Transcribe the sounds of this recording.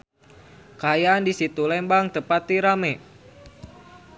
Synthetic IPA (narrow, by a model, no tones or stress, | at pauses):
kajaːndisit̪ulɛmbaŋt̪əpat̪iɾamɛ